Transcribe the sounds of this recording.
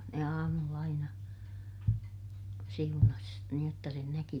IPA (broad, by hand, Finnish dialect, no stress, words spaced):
ne ɑːmulː ɑinɑ siunɑs niːj jotːɑ sen næki